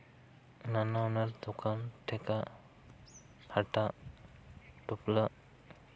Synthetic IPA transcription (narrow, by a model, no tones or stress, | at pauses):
nanaunaɾd̪ɔkʰanʈʰɛka | haʈa | ʈupla